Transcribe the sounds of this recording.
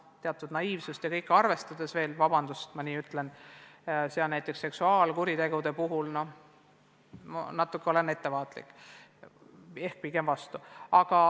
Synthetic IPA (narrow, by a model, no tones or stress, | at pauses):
t̪e̞ɑt̪ːˑud̪̥nɑiːvsust̪jɑkɤ̞jkːˑɑrve̞st̪ɑd̪̥e̞sve̞ːlvɑbɑnd̪̥ust̪mɑniːyt̪ːlen | seɑnæjt̪ːˑe̞ksːeksuɑːlkuɾit̪e̞ɡ̥ud̪e̞puɦulno̞ | mnɑt̪ːˑukːeo̞le̞nːe̞t̪ːe̞vɑːt̪lḭkːˑ | e̞hk̚pike̞mvɑst̪uɑɡ̥ɑ